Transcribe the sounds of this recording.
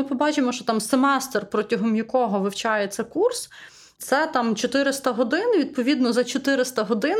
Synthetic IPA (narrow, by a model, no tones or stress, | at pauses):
ɪpɔbɑt͡ʃɪmɔʃɔt̪ɑmsemɛst̪rpɾɔtʲɐɦɔmjɐkɔɦɔʋɪwt͡ʃɑjesʲɐkurs | t̪sɛt̪ɑmt͡ʃɔt̪ɪɾɪst̪ɐɦɔd̪ɪnʋʲid̪̚pɔʋʲid̪nɔzɐt͡ʃɔt̪ɪɾɪst̪ɐɦɔd̪ɪn